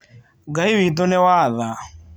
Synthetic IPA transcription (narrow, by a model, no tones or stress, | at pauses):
ɡaiwit̪̬ɔnɛwaːða